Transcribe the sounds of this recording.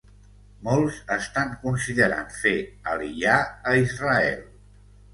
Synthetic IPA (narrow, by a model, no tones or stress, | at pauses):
molˠzəst̪aŋkunsiðəɾa̰nfeəliʎaəizrəɛ̰lˠ